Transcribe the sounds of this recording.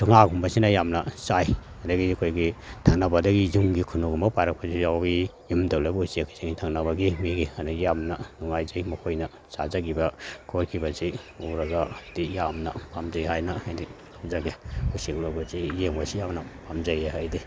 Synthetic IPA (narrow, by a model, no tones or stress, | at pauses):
tʰuŋaɡumbɐsinɐjamnɐsaj | ɐdɐɡikʰojɡitʰaŋnɐbɐdɐɡizumɡikʰunuɡumɐpajɾɐk̚pɐzijaijimdawlabɐusiakʰiziŋitʰaŋnɐbɐɡimiɡiɐdɐɡijamnɐnuŋajzajmɐkʰojnɐ | sa̰zaɡibɐkʰoɾkʰibɐzi | uɾɐɡadijamnɐpʰamzajɦajnɐhajdipʰamzaɡiusiklobɐzijeŋbɐsijamnɐpʰamzajehajdi